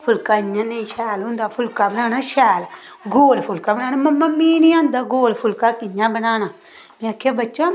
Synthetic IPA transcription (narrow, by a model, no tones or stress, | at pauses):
pʰʊlkaːɪɲːãːnəĩʃɛːlɦʊ̃ːnd̪aːpʰʊlkaːbənaːnaːʃɛːl | ɡoːlpʰʊlkaːbənaːnaːməmːəmːiːnĩãːnd̪aːɡoːlpʰʊlkaːkɪɲːãːbənaːnaː | mɛ̃əkʰːeːbətːʃa